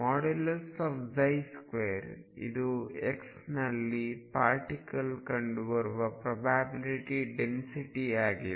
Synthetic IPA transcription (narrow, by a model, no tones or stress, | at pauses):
maːɽelɐsaːpd͡ʒɐjskʋeːɐɾ | ḭd̪ueks | nɐlːipaːɾʈikɐlkɐɳɖuʋɐɾuʋɐpɾɐbʱaːbiliʈiɖensiʈiaːɡi